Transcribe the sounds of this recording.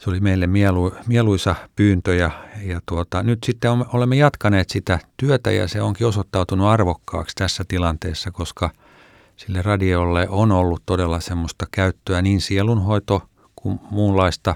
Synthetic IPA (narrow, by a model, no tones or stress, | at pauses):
seolimeilːemmielumieluisɑpyːnt̪øjɑjɑt̪uot̪ɑnyt̪sit̪ːeomolemːejɑt̪kɑneːt̪sit̪æt̪yøt̪æ̰jɑ̰seoŋkiosot̪ːɑut̪unuɑrʋokːɑ̰ːkst̪æsːæt̪ilɑnt̪eːsːɑkoskɑ | silːerɑdiolːeʔonolːut̪t̪odelːɑsemːost̪ɑkæyt̪ːøæniːnsielunhoit̪o | kummuːllɑist̪ɑ